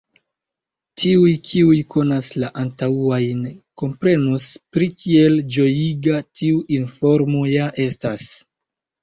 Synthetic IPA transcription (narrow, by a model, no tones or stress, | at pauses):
tʰiujkʰiujkʰo̞naslaʔantauajnko̞mpɾe̞nuspɾikʰie̞ld͡ʒo̞jiɡatiuʔinfo̞ɾmo̞jaʔe̞stas